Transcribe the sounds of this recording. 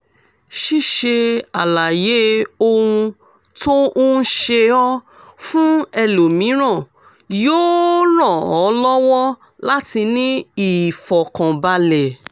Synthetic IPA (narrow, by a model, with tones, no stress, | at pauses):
ʃi˦˨ʃe˧a˨la˨je˨˦o˧ũ˧ | to˦ʔo˦n̩˦ʃe˧ɔ˦ | fũ˦ɛ˧lo˨mĩ˨˦ɾ̃ã˦˨ | joː˦ɾ̃ã˦˨ɔ˨˦lɔ˦wɔ˦ | la˦ti˧nĩ˦i˦˨fɔ˨kã˨ba˧lɛ˨